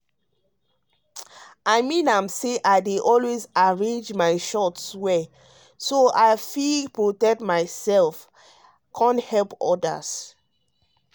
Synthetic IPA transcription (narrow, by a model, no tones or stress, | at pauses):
aɪmĩnãmseʔaɪdeʔɔlwezaɹẽnd͡ʒmaɪʃɔtswɛ | soaɪfipɹotɛk̚tmaɪsɛlf | kʰãnthɛlpɔ̰da̰s